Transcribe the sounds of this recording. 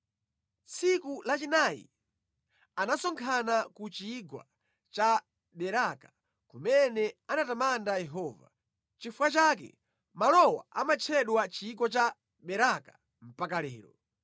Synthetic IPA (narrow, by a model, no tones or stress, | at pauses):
t͡sikulat͡ʃinaːjḭ | anasɔŋkʰanakut͡ʃiɡwa̰ | t͡ʃa | ɓɛɾakḁ | kumɛnɛanatamandajɛɦɔːva̰ | t͡ʃifuwat͡ʃak̬ɛ̰ | malɔwa̰ʔa̰mat͡ʃʰɛɗwat͡ʃiːɡɔt͡ʃa | ɓɛɾaka | m̩pakalɛ̰ːɾɔ